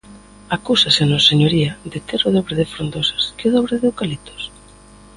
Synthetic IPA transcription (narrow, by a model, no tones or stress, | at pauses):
akusasenosseɲoɾiɐd̪ɪt̪eɾʊðɔβɾɪðɪfɾond̪osḁskeʊðɔβɾeðwkalit̪o̥s